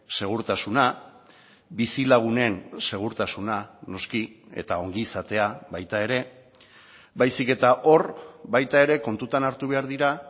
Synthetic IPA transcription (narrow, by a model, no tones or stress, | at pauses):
se̞ɣ̞uɾt̪asuna | bisilaɣ̞une̞nse̞ɣ̞uɾt̪asunano̞skie̞̰t̪ao̞ŋɡiːsat̪e̞aβajt̪ae̞ɾe̞ | bajsike̞t̪aʔo̞ɾbajt̪ae̞ɾe̞ko̞nt̪ut̪anaɾt̪uβe̞aɾðiɾa